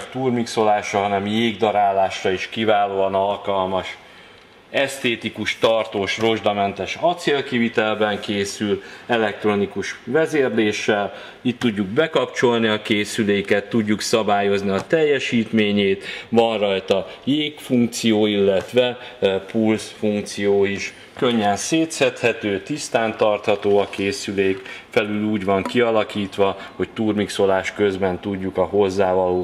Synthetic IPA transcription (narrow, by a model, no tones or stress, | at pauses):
t̪urmikso̞laːʃɒɦɒnɛmjeːɡd̪ɒɾaːlːaːʃrɒiʃkivaːloːɒnɒlkɒlmɒʃ | ɛst̪eːt̪ikuʃt̪ɒrt̪oːʃro̞ʒd̪ɒmɛnt̪ɛʃɒt̪seːlkivit̪ɛlbɛŋkeːsylɛlɛk̚t̪ro̞nikuʃvɛzeːrleːʃːɛl | it̪ːuɟːuɡ̚bɛkɒpt͡ʃo̞lniɒkeːsyleːikɛt̪ːuɟːuksɒbaːjo̞zniɒt̪ɛjːɛʃiːt̪meːɲeːt̪vɒnrɒjt̪ɒjeːkfuŋk̚t̪sijoːilːɛt̪ʋɛpulsfuŋk̚t̪sijoːiʃ | kø̞ɲːɛnseːt̪sɛt̪hɛt̪øːt̪ist̪aːnt̪ɒrt̪hɒt̪oːɒkeːsyleːkfɛlyluːɟvɒŋkiɒlɒkiːt̪ʋɒho̞ct̪uːrmikso̞laːʃkø̞zbɛnt̪uɟːukɒɦo̞zːaːvɒloː